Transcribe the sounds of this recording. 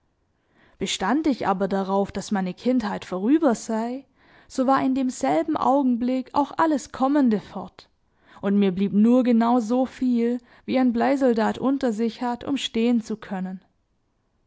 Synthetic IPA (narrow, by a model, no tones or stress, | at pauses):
b̥əʃtandɪçʔa̰ːbɐdaʁ̞aʊfd̥asmaɪnəkʰɪnthaɪtfɔʁ̞yːbɐz̥aɪ | z̥oːvaːɐɪndeːmz̥ɛlbm̩ʔa̰ʊɡŋ̩blɪkʰa̰ʊxʔaləskʰɔməndəfɔɐt | ʔʊntmiːɐbliːpnuːɐɡənaʊzoːfiːl | viːaɪnblaɪzɔldaːtʔʊntɐzɪçhatʰʊ̰mʃteːənt͡sukʰœnən